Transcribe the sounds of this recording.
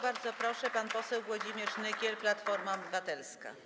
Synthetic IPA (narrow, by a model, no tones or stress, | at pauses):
baɾd̪zɔpɾɔʂɛpanpɔsɛwɡwɔd͡ʑimʲjɛt͡ʂnɘkʲɛlplat̪fɔɾmaɔbɘvat̪ɛlska̰